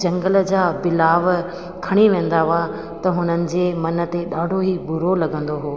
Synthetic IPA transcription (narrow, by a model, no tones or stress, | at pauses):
d͡ʑɐ̃ŋɡələ̆d͡ʑaːbɪlaːʋ | kʰɐɽ̃iʋẽːn̆d̪aɦʊa | t̪ɐɦʊnənɪ̆d͡ʑeːmɐnə̆t̪eɗaːɖʱoɦibʊɾolɐɡə̃nd̪oɦoː